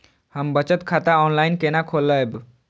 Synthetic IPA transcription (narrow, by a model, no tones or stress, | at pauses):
həmbət͡ɕət̪kʰat̪aɔnlainkenakʰolːəeb